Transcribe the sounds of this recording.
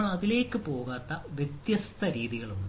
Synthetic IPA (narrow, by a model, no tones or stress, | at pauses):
ɐðile̞ːkːɨpo̞ːɣaːt̪ːɐʋjet̪jɐst̪ʰɐɾiːðiɣɐɭun